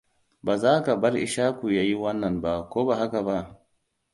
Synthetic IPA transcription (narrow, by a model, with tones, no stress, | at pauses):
ba˨zaː˦ka˨bɐ˦ɾʔɪ̰˨ʃaː˦ku˨ja˦ji˦wɐ˦nːɐ˨nba˦kʷoː˦ba˨ɦa˦ka˨ba˦